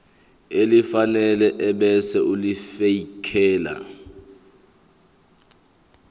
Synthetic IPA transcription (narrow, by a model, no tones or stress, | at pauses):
elifanɛlɛʔɛɓɛsɛʔulifeikʰɛːla̰